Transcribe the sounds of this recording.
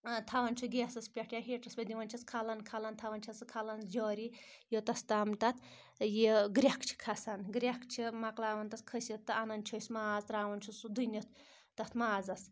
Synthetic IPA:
t̪ʰɐʋɐnt͡ʃʰuɡeːsɐspʲɐʈʰjaɦeːʈʰɐsbʲɐd̪iʋɐnt͡ʃʰɐskʰɐlɐnkʰɐlɐnt̪ʰɐʋɐnʲt͡ʃʰɐsɨkʰalɐnd͡ʒɔːɾijot̪ɐst̪aːmt̪ɐt̪ʰ | jeɡɾʲakt͡ʃʰi̥kʰɐsɐnɡɾʲakt͡ʃʰimɐklaːʋɐnt̪ɐt̪kʰəsʲit̪ːɨanɐnt͡ʃʰosʲmaːzɾaːʋɐnt͡ʃʰusud̪unʲit̪ | t̪ɐt̪ʰmaːzɐs

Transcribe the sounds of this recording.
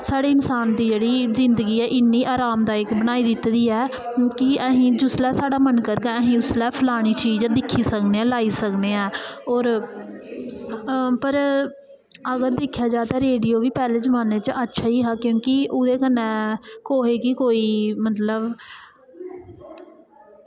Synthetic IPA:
saːɽeːɪnsaːnd̪iːd͡ʒeːɽiːzɪnd̪əɡiːɛːʔɪnːiːʔaːɾaːmd̪aːɪkbəɽ̃aːiːd̪ɪt̪ːd̪iːɛː | kɪɛɦĩːd͡ʒʊslɛːsaːɽaːmənkəɾɡɛ̃ːəɦĩːʊslɛːpʰəlaːɽ̃iːt͡ʃiːd͡ʒd̪ɪkʰːiːsəkneːɛ̃ːlaːiːsəkneːɛ̃ːɔːɾ | pəɾ | əɡəɾd̪ɪkʰːjaːd͡ʒaːt̪aːɾeːɖiːoːʋiːpɛːleːzəʋaːneːt͡ʃətːʃʰaːiːɦaːkjõːkɪʔʊd̪eːkənːɛ̃ːkoːɦeːkɪkoːiːmət̪ləb

